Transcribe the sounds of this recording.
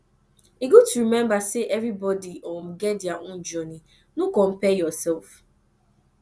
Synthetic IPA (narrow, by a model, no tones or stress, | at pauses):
iɡotuɾimɛ̃mbaseʔɛvɾibɔdiɔm̩ɡɛdiaʔʊ̃n̩d͡ʒɔni | nukɔm̩pɛjɔsɛlf